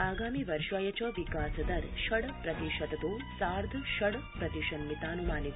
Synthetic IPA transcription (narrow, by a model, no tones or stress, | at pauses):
aːɡaːmiʋɐɾʃɐjɐt͡ʃɐʋikaːsɐd̪ɐɾʃɐɽɐpɾɐt̪iʃɐd̪ɐt̪uː | saːɾd̪ʱɐʃɐɽpɾɐt̪iʃɐnːit̪aːnumaːnit̪